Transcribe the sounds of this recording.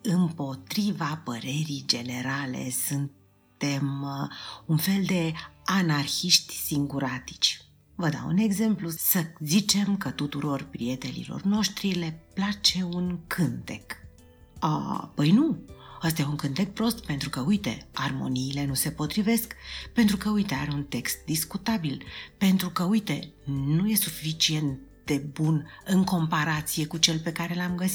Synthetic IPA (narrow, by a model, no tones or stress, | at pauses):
ɨmpo̞t̪ɾivapəɾe̞ɾijd͡ʒe̞ne̞ɾale̞̰sɨnt̪ | e̞m | unfe̞ld̪e̞anarçiʃt̪ʲsiŋɡuɾat̪i̥t͡ʃʲ | vəd̪a̰wṵne̞ɡze̞mplusəzit͡ʃe̞mkət̪ut̪uɾo̞rpɾie̞t̪e̞lḭlo̞̰rno̞ʃt̪ɾile̞plat͡ʃe̞unkʰɨnt̪e̞k | ə̰pəjnuəst̪ajeuŋkɨnt̪e̞k̚pɾo̞st̪pe̞nt̪ɾukəujt̪e̞̰armo̞̰niːle̞nuse̞po̞t̪ɾive̞skpe̞nt̪ɾukəujt̪e̞aɾeunt̪e̞kst̪̚d̪iskut̪abilpe̞nt̪ɾukəujt̪e̞nuje̞sufit͡ʃie̞nt̪ | d̪e̞bunɨŋko̞mpaɾat̪sije̞kut͡ʃe̞lpe̞kaɾe̞lamɡəsi